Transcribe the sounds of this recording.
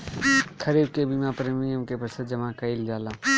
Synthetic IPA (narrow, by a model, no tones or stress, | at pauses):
kʰɐɾiːb̚kebiːmapɐɾəmɪijəmkepɾəsəd̪̚d͡ʒɐmakɐild͡ʒaːlãː